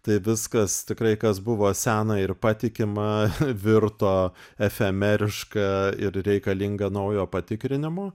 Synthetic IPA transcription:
t̪ɐɪʋʲɪskɐst̪ʲɪkɾɐɪkɐsbʊʋoːsʲæːnɐɪrpɑt̪ʲɪkʲɪmɐʋʲɪrt̪oːɛfʲɛmʲɛɾʲɪʃkɐɪɾɾʲɛɪkɐlʲiŋɡɐnɐʊjoːpɐt̪ʲɪkɾʲɪnʲɪmoː

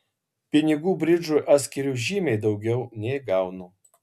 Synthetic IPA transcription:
pʲɪnʲɪɡuːbʲɾʲɪd͡ʒʊjʔɑːt̪sʲkʲɪɾʲuːʒʲiːmʲɛɪd̪ɒʊɡʲɛʊnʲɛɪɡɑˑʊnoː

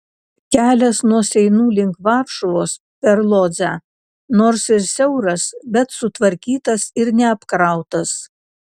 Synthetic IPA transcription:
kʲæːlʲɛsnuɔsʲɛɪnuːlʲɪŋkʋɑɾʃʊʋoːs | pʲɛɾlˠoːzʲæ | noːɾsɪɾsʲɛʊɾɐsbʲɛt̪sʊt̪ʋɐɾʲkʲiːt̪ɐsɪɾnʲɛɐpkɾɑˑʊt̪ɐs

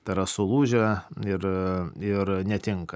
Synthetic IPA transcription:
t̪ɐɪɾɐsʊlˠuːʒʲɛɪrɪrnʲɛt̪ʲɪŋkɐ

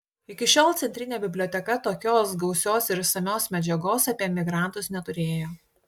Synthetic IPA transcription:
ɪkʲɪʃʲoːlˠt̪ʲɛnʲt̪ʲɾʲɪnʲeːbʲɪbʲlʲoːt̪ʲɛkɐt̪oːkʲoːsɡɐʊsʲoːsɪɾsɐmʲoːsmʲɛd͡ʒʲɛɡoːsɐpʲiɛmʲɪɡɾɑˑnˑt̪ʊsnʲɛt̪ʊɾʲeːjoː

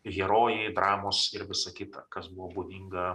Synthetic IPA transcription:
ɣʲɛɾoːjɛɪd̪ɾɑːmoːsɪɾʋʲɪsɐkʲɪt̪ɐkɐsbʊʋoːbuːd̪ʲiŋɡɐ

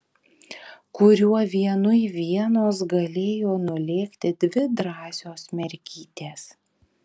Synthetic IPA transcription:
kʊɾʲuɔʋʲiɛnʊiʋʲiɛnoːs̬ɡɐlʲeːjoːnʊlʲeːkt̪ʲɪd̪ʲʋʲɪd̪ɾɑːsʲoːsmʲɛɾʲkʲiːt̪ʲeːs

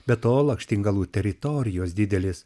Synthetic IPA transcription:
bʲɛt̪oːlˠɐŋkʃʲt̪ʲɪŋɡɐlˠuːt̪ʲɛɾʲɪt̪ɔɾʲɪjoːsd̪ʲɪd̪ʲɛlʲɪs

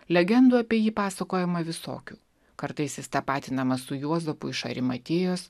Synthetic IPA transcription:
lʲɛɡʲɛnd̪uɐpʲiɛjiːpɑːsɐkoːjɛmɐʋʲɪso̰ːkʲuː | kɐɾt̪ɐɪsʲɪst̪ɐpɑːt̪ʲɪnɐmɐsʊjuɔzɐpʊɪʃɐ̰ɾʲɪmɐt̪ʲeːjoːs

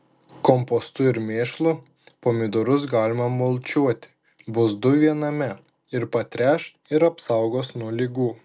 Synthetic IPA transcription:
kɔmpɔst̪ʊɪɾmʲeːʃlˠʊ | poːmʲɪd̪oɾʊs̬ɡɑːlʲɪmɐmoːlˠʲt͡ʃʲuɔt̪ʲɪ̥ | bʊsd̪ʊʋʲiɛnɐmʲɛ | ɪɾpɐt̪ʲɾʲæːʃ | ɪɾɐpsɐˑʊɡoːsnuɔlʲɪɡuː

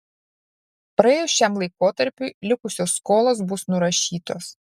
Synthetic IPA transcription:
pɾɪjɛʃʲt͡ʃʲɛmlˠɐjkɔt̪ɐɾpʲulʲʊkʊsʲɔskɔlˠɔsbʊsnʊɾɐʃʲiːt̪ɔs

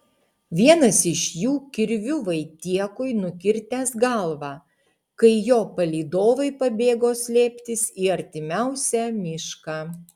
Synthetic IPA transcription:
ʋʲiɛnɐsɪʃjuːkʲɪɾʲʋʲʊʋɐɪt̪ʲiɛkʊjnʊkʲɪɾʲt̪ʲæːsɡɐlˠʋɑː | kɐɪjoːpɐlʲiːd̪oːʋɐɪpɐbʲeːɡoːsʲlʲeːpʲt̪ʲɪsiːɐɾʲt̪ʲɪmʲæʊsʲæːmʲɪʃkɑ

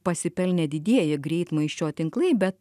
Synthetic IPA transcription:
pɐsʲɪpʲɛlʲnʲɛd̪ʲɪd̪ʲiɛjɪɡɾʲɛɪt̪mɐɪʃʲt͡ʃʲoːt̪ʲɪŋklˠɐɪbʲɛt̪

